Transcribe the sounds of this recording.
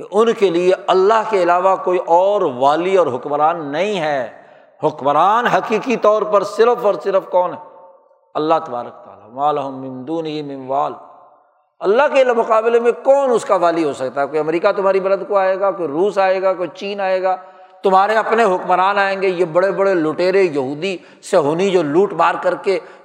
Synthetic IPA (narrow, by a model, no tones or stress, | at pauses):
keʔʊnkelieɐlːaɦkeɪlaːʋakoːiʔɔːɾʋaːliɔːɾɦʊkmɾaːnːɐɦĩɦɛː | hʊkmɾaːnɦɐkiːkit̪ɔːɾpɐɾsɪɾəfɔːɾsɪɾəfkɔːnɦɛː | ɐlːaɦt̪ɐba̰ːɾək̚t̪a̰ːlamaːlɐɦʊmːɪ̃md̪uːnɪɦimɪ̃nʋaːl | ɐlːaɦkelmʊqaːblemẽkɔːnʊskaʋaːliɦosɐkt̪aɦɛkoːiɐmɾiːkat̪ʊm̤aːɾibɐɾəd̪koaːeːɡakoːiɾuːsaːeːɡakoːit͡ʃiːnaːeːɡaː | t̪ʊmɦaːɾeɐpneɦʊkmɾaːnaːẽːŋɡejebɐɽebɐɽelʊʈeːɾejɐɦuːd̪i | seɦoːnid͡ʒoːluːʈbaːɾkɐɾke